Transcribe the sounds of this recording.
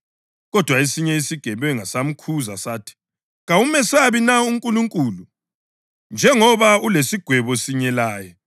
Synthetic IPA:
ɣɔd̥ʱwaesiɲɛisiɡ̥ʱɛβɛŋasam̩kʰuzasaːtʰi̥ | ɣaumɛsaβinauŋkʼuluŋkʼulu | nd͡ʒʱɛŋɔβaulesiɡ̥ʱwɛβɔsiɲɛlaːjɛ

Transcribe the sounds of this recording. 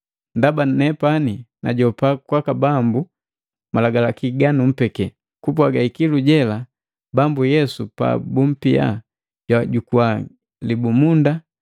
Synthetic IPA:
ndabanɛpanina̰ɟɔpakwakabambu | malaɡalakiɡanum̩pɛkɛ | kup̬waɡaikiluɟɛla | bambujɛsupa̰bum̩pia̰ | ɟwaɟukuwa | libumunda

